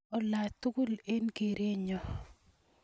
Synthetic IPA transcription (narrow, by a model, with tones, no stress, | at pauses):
ɔ˨la˨t̪u˦ɡʊ˦le˦nke˨ɾe˦ɲɔ˨